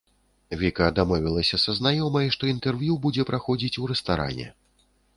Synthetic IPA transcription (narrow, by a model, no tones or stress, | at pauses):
vʲikad̪amɔvʲilˠɐsʲɐsɐznajɔmɐjʂt̪ɔint̪ɛrvʲjubud͡zʲɛpɾaxɔd͡zʲit͡sʲuɾɛst̪aɾa̰nʲɛ̰